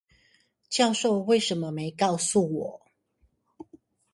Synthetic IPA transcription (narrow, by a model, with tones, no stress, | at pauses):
t͡ɕjɑ˥˧ʊʂo˥˨ʊwe˥˨ɪʂə˨˦nmə˧me˨˧˦ɪkɑ˥˧ʊsu˥˨wɔ˨˩˦